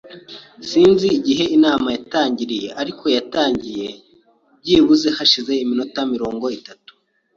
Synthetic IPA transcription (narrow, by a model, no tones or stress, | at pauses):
siːnziːɟiɦe̞inaːmajataːɲɟiɾije̞ʔaɾikʰo̞jataːɲɟije̞ | bɟiːβuze̞haʃize̞iminotamiɾo̞ːŋɡo̞itatu̥